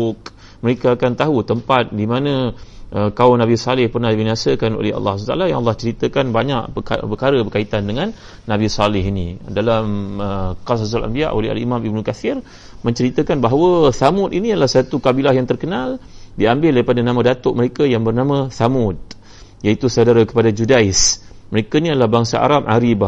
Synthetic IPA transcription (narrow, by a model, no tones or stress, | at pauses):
k | məɾekaːkant̪aɦut̪əmpat̪̚dimãnãʔəkaʊnabisalɪhpərnahdibinasəkano̰leɦɑ̰lːɑ̰at̪a̰lajaŋ̰lːɑht͡ʃəɾit̪əkanbaɲa̰ʔəa̰pəkaɾəbərkait̪andəŋãnː | ãbisalɪɦinidalaməkasazalʔa̰mbia̰ʔo̰leɦa̰lḭmãmibnukafɪr | mə̃ɲt͡ʃəɾit̪əkanbaɦwəθamʊt̪iniadəlahsat̪ukabilaɦjaŋt̪ərkənaldiambɪldaɾipadanamãdat̪ʊʔ̚məɾekajaŋbərnamə̃θamʊt̪̚ | jait̪usawdaɾakə̥padad͡ʒudaɪs | məɾekainiadəlahbaŋsaʔa̰ɾapʔa̰ɾiba